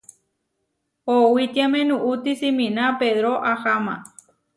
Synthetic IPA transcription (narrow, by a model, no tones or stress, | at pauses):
owit̪iamẽnũʔut̪isimĩnãpeðɾoʔahamã̰